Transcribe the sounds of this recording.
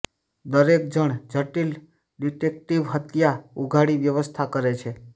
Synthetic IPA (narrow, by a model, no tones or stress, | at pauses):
d̪əɾek̚d͡ʒəɳ̃d͡ʒʱəʈil | ɖiʈek̚ʈiʋɦət̪jauɡʱaɽiʋjəʋəst̪ʰakəɾet͡ʃʰe